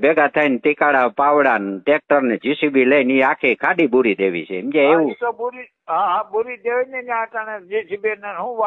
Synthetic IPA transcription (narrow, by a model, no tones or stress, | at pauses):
beɡat̪ʰaint̪ikaɽapaʋɽanʈek̚ʈəɾned͡ʒisibilejniakʰekʰaɖibuɾid̪eʋḭt͡ʃʰemd͡ʒeeʋũt̪obuɾi | aɦãbuɾid̪eʋinenãkəned͡ʒisibineɦũʋa